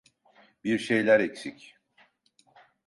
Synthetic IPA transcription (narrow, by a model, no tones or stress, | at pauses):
biɾʃe̞jlʲæɾɛcsic